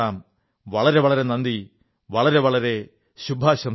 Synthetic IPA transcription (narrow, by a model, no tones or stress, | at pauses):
aːm | ʋɐɭɐɾe̞ʋɐɭɐɾe̞nɐnd̪i | ʋɐɭɐɾe̞ʋɐɭɐɾe̞ | ɕubʱaːɕɐm